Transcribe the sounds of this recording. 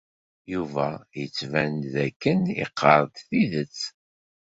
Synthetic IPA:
juvæjət͡sːvænðækːənḭqʰːəɾˤðθiðət͡sː

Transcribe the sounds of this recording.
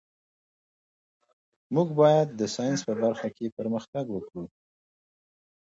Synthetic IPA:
muɡbɑjad̪ːəsɑjɪnspəbaɾxakepəɾməxt̪aɡwəkɽu

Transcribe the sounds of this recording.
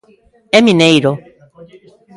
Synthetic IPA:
emĩnejɾo

